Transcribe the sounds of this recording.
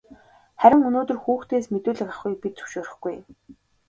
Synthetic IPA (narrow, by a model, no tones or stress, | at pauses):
χæɾʲɪ̆ŋɵnoːt̪ɵ̆rxuːxt̪ʰeːsmet̪uːɮɘ̆kaχɡujpit̪̚t͡sɵ̥wʃoːɾɪ̆χɡuj